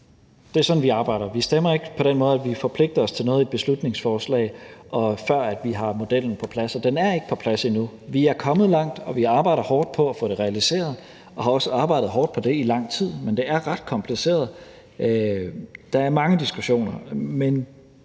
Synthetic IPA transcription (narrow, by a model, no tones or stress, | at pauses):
d̥e̝æɐsɒ̽n̩ʋiɑ̈ːb̥ɑ̈ɪ̰ɾ̥ɐʋisd̥emɐe̝ɡ̥əpʰɒ̽ɾ̥enmɔ̽ːð̞ˠæʋifɒ̽pʰle̝ɡ̥̚d̥ɐɒ̽st͡sʰe̝lnɔːð̩ˠed̥̚b̥e̝slud̥ne̝ŋsfɒːslɛ̰ːɪʔɒ̽fɶɐ̰æd̥ʋiɦɑ̈mo̝d̥el̰n̩pʰɒ̽pʰlæsɒd̥enæɐe̝ɡ̥ə̥pʰɒ̽pʰlæsinuʋiæɐkʰɒ̽mð̞̩ˠlɑ̈ŋ̰d̥ɒ̽ʋiɑ̈ːb̥ɑ̈ɪɾɐhɒːd̥pʰɒ̽æfɔ̽ːɾ̥e̝ʁɛælise̝̰ːɐð̞̩ˠ | ʔɒ̽hɑ̈ɒ̽səɑ̈ːb̥ɑ̈ɪ̰dð̩ˠɦɒːd̥̚pʰɒ̽d̥e̝ilɑ̈ŋ̰t͡sʰið̞̰ˠmend̥e̝æɐʁɑ̈d̥̚kʰɒ̽mpʰlise̝̰ːɐðˠ | d̥ɑ̈æɐmɑ̈ŋəd̥isɡ̥uɕo̝̰ːnɐmen